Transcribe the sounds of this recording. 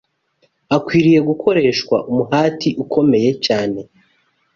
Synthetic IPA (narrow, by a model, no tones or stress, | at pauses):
akwiːɾije̞ɡukʰo̞ɾe̞ːʃkwa̰ʔumuɦaːtiʔukʰo̞me̞je̞caːne̞